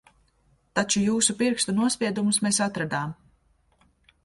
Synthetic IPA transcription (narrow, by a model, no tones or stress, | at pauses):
t̪at͡ʃujuːsupiɾkst̪unuɔsʲpʲiɛd̪umusmesat̪ɾad̪aːm